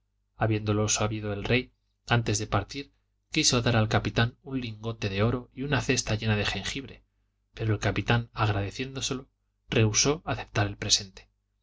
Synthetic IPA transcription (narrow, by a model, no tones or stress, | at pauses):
aβje̞nd̪o̞lo̞saβiðo̞e̞lrʔe̞j | ant̪e̞zðe̞paɾt̪iɾ | kiso̞ðaɾalkapit̪anunliŋɡo̞t̪e̞ðe̞o̞ɾo̞iunaθe̞st̪aʝe̞nað̞e̞xe̞ŋxiβɾe̞ | pe̞ɾo̞e̞lkapit̪anaɣ̞ɾaðe̞θje̞nd̪o̞se̞lo̞ | re̞uso̞aθe̞p̚t̪aɾe̞lpɾe̞se̞nt̪e̥